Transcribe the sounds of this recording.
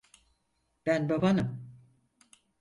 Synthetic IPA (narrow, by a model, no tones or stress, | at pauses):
b̥ænbabanɯm